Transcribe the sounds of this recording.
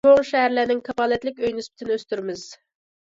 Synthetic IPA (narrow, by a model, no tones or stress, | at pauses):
oŋʃɛɦæɾlænɪŋkʰɑfɑːlɛt̪lɪkʲøjnyspɪ̥t̪ʰɪnɪøst̪yɾmɪz̥